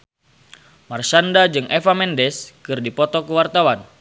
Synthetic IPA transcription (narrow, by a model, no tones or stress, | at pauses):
marsandad͡ʒɨŋʔefamɛndɛskɨrdipɔt̪ɔkəwart̪awan